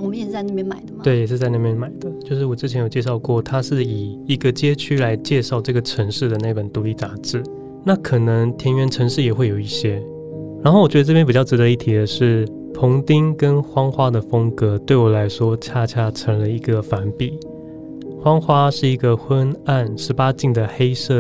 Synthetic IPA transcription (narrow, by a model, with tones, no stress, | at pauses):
mjɛ˥˧˥t͡sa˥˧na˥˩jɛ˥nma˨˩ɪd̪ət̪we˥˩ɪjɛ˨˩ʂ̬ɻ̩˥˧t͡sa˥˧ɪna˥˩pjɛ˥nma˨˩ɪd̪ə˦t͡ɕjo˥˧ʊʂɻ̩˥˩wɔ˨˩ʈ͡ʂɻ̩˥t͡ɕʰɛ˧˦njo˨˩ʊt͡ɕjɛ˥˧ʂɑ˥˧ʊkwɔ˥˩t̪ʰa˥ʂɻ̩˥˩i˨˩i˧˥ɡə˧t͡ɕjɛ˥t͡ɕʰy˥la˧˦ɪt͡ɕjɛ˥˧ʂɑ˥˧ʊʈ͡ʂɤ˥˩ɡə˩ʈ͡ʂʰə˧˥ŋʂɻ̩˥˩d̪ə˩na˥˩i˩pə˨˩nt̪u˧˥li˥˩t͡sa˧˥ʈ͡ʂɻ̩˥˩ | na˥˩kʰɤ˨˩nə˧˦ŋt̪ʰjɛ˧˥nɥɛ˧nʈ͡ʂʰə˧˥ŋʂɻ̩˥˩jɛ˨˩xwe˥˩ɪjo˨˩ʊi˥˩ɕjɛ˥ | ɻa˧˥nxo˥˩wɥɛ˧˥d̪ə˧ʈ͡ʂɤ˥˩pjnpi˨˩t͡ɕjɑ˥˩ʊʈ͡ʂɻ̩˧d̪ə˧i˥˩t̪ʰi˧˥d̪ə˨ʂɻ̩˥˩ | pʰʊ˧˥ŋt̪i˥ŋkə˦nxwɑ˥ŋxwa˥d̪ə˨fɤ˥ŋkɤ˧˥t̪we˥˩ɪwɔ˨˩la˧˥ɪʂwɔ˥t͡ɕʰja˥˧t͡ɕʰja˥˩ʈ͡ʂʰə˧˥ŋlə˧i˧˥ɡə˧fa˧˥npi˨˩˦ | xwɑ˥ŋxwa˥ʂɻ̩˥˩i˧˥ɡə˨xwə˦˥na˥˩nʂɻ̩˧˥pa˥t͡ɕi˥˩ŋd̪ə˩xe˥ɪʂɤ˥˩